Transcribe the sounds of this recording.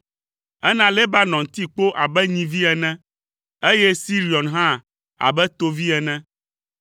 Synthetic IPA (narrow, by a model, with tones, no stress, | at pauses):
ɛ˦nã˦le˦ba˦nɔ̃˨ŋt̪i˦k͡po˦ʔa˨bɛ˦ɲĩ˨˦vi˦ɛ˨nɛ̃˦ | e˦jɛ˦si˦ɾi˨ɔ˨nɦã˦ | a̰˨bɛ˦t̪o˦vi˦ɛ˨nɛ̃˦